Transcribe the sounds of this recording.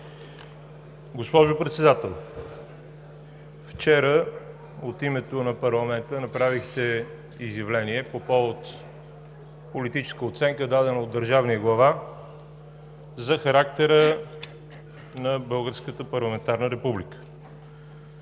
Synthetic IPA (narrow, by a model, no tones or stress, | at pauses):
ɡospɔʒopɾɛt̪sɛd̪at̪ɛlˠ | ft͡ʃɛɾə | ot̪imɛt̪onɐpɐɾlˠɐmɛnt̪ənɐpɾavixt̪ɛ | izjɐvlɛniɛpopɔot̪ | polit̪it͡ʃɛ̥skəot̪sɛŋkəd̪ad̪ɛnəod̪ːəɾʒavniəɡlˠɐva | zɐxɐɾak̚t̪ɛɾə | nɐbɤlˠɡəɾskət̪əpɐɾlˠɐmɛnt̪aɾnəɾɛpublikə̥